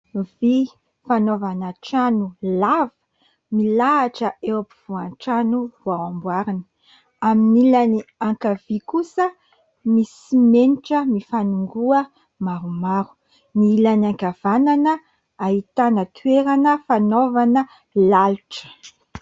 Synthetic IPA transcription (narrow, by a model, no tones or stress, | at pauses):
vi | fanovanaʈ͡ʂanulavə̥ | milaːʈ͡ʂəewapiv̥uanʈ͡ʂanuvawambwaɾini̥ | aminilaniaŋkav̥ikusə | mis | imeniʈ͡ʂəmifanuŋɡuə | maɾumaɾu̥ | niilaniaŋkav̥ananə | ait̪anət̪ʰueɾanəfanovanə | laluʈ͡ʂə̥